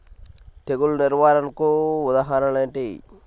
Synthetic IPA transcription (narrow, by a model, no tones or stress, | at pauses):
t̪eɡulniɾʋaːɾɐnkuud̪aːɦaɾɐleːɳʈi